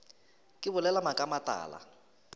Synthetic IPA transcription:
kʼɪbʊlɛlamakʼamatʼa̰ːla̰

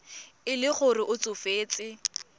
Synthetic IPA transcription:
ɪlɪχʊrɪʔʊt͡sʼʊfeːt͡sʼɪ

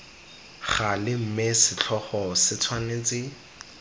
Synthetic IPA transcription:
χalɪm̩mesɪt͡ɬʰɔχɔsɪt͡sʰwaneːt͡sɪ

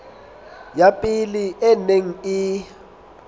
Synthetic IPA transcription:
japʼiliʔɛneŋ̩i

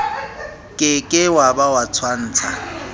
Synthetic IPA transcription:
kʼɪkʼɪwabawat͡sʰwan̩ːt͡sʰa

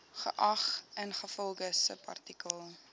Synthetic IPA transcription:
χə̰ʔɐχənχəfɔlˠɡəsə̰pʰɐ̰rtikəlˠ

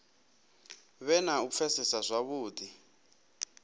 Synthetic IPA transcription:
βɛnaup̪fʰɛsisazʷaβuːdi

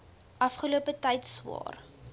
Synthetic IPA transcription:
ʔɐfχəluəpətɛjtswɑ̰ːr

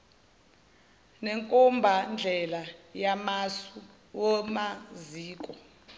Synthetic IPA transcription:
neŋkʼɔmbʱand͡ɮʱɛlajamasu | wɔmaziːkʼɔ

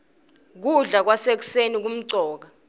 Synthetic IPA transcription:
k̬uɮak̬wasek̬u̥senik̬um̩ǀɔːk̬a

